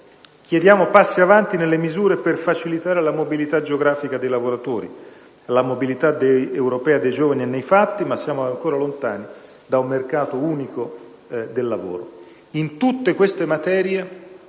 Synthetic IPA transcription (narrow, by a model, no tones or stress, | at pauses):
k̟jed̪jaːmopasːiavant̪inelːemizuːɾeperfat͡ʃilit̪aːɾelamobilit̪ad͡ʒeoɡɾaːfikad̪ejlavoɾat̪oːɾḭ | lamobilit̪ad̪ejewɾopɛːad̪ejd͡ʒoːvanienːejfat̪ːimasːjaːmoaŋkoːɾalont̪aːni | d̪aumːerkaːt̪ouːniko | d̪elːavo̰ːɾo | int̪ut̪ːekwest̪emat̪ɛːɾje